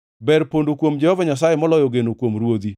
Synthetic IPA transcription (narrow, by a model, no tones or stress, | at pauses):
bɛɾpondokwomd͡ʒɛhɔvaɲasajemɔlɔjɔɡenokwomɾwod̪i